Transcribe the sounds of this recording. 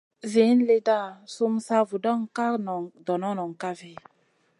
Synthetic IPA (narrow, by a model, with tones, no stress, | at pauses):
ve˨˦n˦le˦da˦˨su˦msa˦vu˨da˦ŋ˦ka˦nɔ˨ŋdɔ˨nɔ˦nɔ˨ŋ˨ka˦ve˦